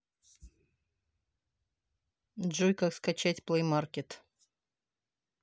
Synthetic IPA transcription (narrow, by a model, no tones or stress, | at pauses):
dʐojkakskat͡ɕætʲplˠejmarkʲɪt̪